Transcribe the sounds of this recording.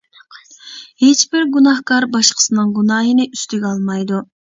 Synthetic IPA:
het͡ʃbɪɾɡunɑhkɑɾbɑʃqʰə̥sɨnɨŋɡunɑːɦənɪyst̪yɡʲɛɑlˠmɑjd̪u

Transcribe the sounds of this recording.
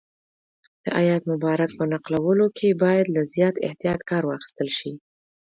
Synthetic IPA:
d̪̥əʔajat̪mʊbɑɾak̚pənaqlawəlokʰebɑjad̪lazjɑt̪ɪ̰ht̪ijɑt̪kɑɾwɑxi̥st̪əlʃi

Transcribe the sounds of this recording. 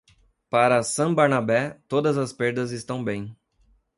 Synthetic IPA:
paɾɐsɐ̃baɾnabɛt̪od̪ɐzɐspeɾd̪ɐzɪst̪ɐ̃w̃bẽj̃

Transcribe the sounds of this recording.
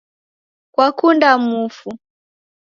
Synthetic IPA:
kwakundamufu

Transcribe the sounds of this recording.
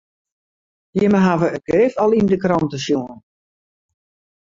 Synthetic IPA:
jɪməɦaʋəəɡ̥rɪftɔlˠindəkrɔntəsjuən

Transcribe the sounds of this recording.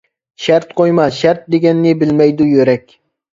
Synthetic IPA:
ʃæɾt̪qʰojmɑʃæɾt̪̚d̪eɡʲɛnːɪbɪlmɛjd̪ʊjøɾɛkʲ

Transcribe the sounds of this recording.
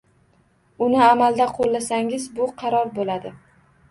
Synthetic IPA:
ʊnɪamald̪aqʰolːasaŋɪzbʊqʰɑɾɒɾbolad̪ɪ

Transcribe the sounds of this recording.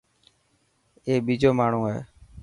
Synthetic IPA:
eːɓiːd͡ʒoːmaːɳ̤ũːḛː

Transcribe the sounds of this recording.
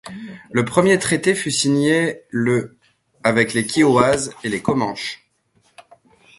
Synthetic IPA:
ləpχəmjet̪χet̪efysiɲelə | avɛklekʲʰioazelekɔmɑ̃ʃ

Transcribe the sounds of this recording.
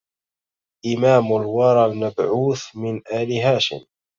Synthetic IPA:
ʔɪmaːmʊlwɑɾˤɑlmabʕuːθmɪnʔaːlɪɦaːʃɪ̰m

